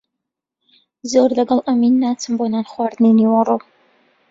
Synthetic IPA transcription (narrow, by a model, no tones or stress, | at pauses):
zoːrlɐɡɐlˠʔɐmiːnːaːt͡sʰɨmbonaːnχwaːrd̪neniwɐro